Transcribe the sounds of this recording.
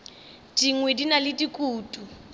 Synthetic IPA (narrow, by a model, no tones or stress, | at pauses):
diŋwedinalɪdikʼuːtʼu